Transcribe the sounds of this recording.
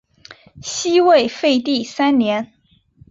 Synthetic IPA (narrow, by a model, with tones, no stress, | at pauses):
ɕi˥we˥˧ɪfe˥˧ɪt̪i˥˩sa˥nnjɛ˧˥n